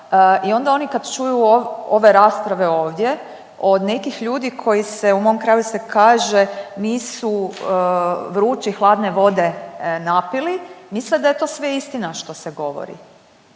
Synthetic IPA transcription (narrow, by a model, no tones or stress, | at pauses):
io̞nd̪ao̞nikad̪t͡ʃujuooʋe̞ɾaːspɾaʋe̞o̞ːʋd̪je̞ | o̞d̪ne̞kixʎuːd̪ikʰo̞jise̞umo̞omkɾaːjusekaːʒeniːsu | ʋɾuːt͡ʃixlˠaːd̪ne̞ʋo̞d̪e̞napilimisled̪aje̞t̪oːsʋeist̪inaʃt̪o̞seɡo̞ʋo̰ɾḭ